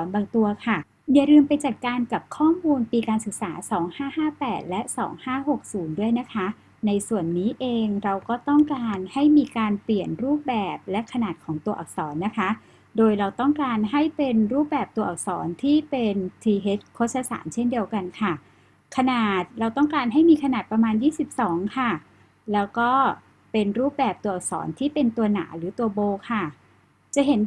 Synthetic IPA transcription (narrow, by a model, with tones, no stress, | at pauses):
ɔː˩˦nbaː˧ŋt̪u˧ɐkʰa˥˩ | ja˨˩ɾɯː˧mpa˧jt͡ɕaː˨˩kːaː˧nka˨˩p̚kʰɔː˥˩muː˧npiː˧kaː˧nsɯ˨˩k̚saː˩˦sɔː˩˦ŋhaː˥˩haː˥˩pɛː˨˩t̪̚lɛ˦˥ʔsɔ̰ː˩˦ŋhaː˥˩ho˨˩k̚suː˩˦ndu˥˩əjna˦˥kʰa˦˥ | na˧jsu˨˩ənːiː˦˥ʔeː˧ŋɾa˧wkɔː˥˩t̪ɔ˥˩ŋkaː˧nha˥˩jmiː˧kaː˧npli˨˩ənɾuː˥˩p̚bɛː˨˩p̚lɛ˦˥kʰa˧naː˨˩t̪̚kʰɔː˩˦ŋt̪u˧ɐʔːk̚sɔː˩˦nːa˦˥kʰa˦˥ | doː˧jɾa˧wt̪ɔ˥˩ŋkaː˧nɦa˥˩jpe˧nɾuː˥˩p̚bɛː˨˩p̚t̪u˧ɐʔɔ˨˩k̚sɔ̰ː˩˦nt̪ʰiː˥˩pe˧nt̪ʰiː˧ɦeː˦˥t̪̚kʰo˦˥sʰa˧sa̰ː˩˦nt͡ɕʰe˥˩ndi˧əwka˧nkʰa˥˩ | kʰa˧naː˨˩t̪̚ɾa˧wt̪ɔ˥˩ŋkaː˧nɦa˥˩jmiː˧kʰa˧naː˨˩t̪̚pɾa˧maː˧njiː˥˩si˨˩p̚sɔː˩˦ŋkʰa˥˩ | lɛː˦˥wkɔː˥˩ | pe˧nɾuː˥˩p̚bɛː˨˩p̚t̪u˧ɐɔ˨˩k̚sɔ̰ː˩˦nt̪ʰiː˥˩pe˧nt̪u˧ɐna̰ː˩˦ɾɯː˩˦t̪u˧ɐboː˧kʰa˥˩ | t͡ɕa˨˩ɦe˩˦n